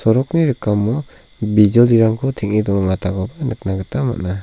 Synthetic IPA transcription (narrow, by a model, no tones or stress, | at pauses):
sɔɾɔkniɾɯkamːɔ | bizɔliɾaŋkʰɔtʰiŋidɔŋɔŋatʰaɡɔbanɯk̚naɡɯtama̰tna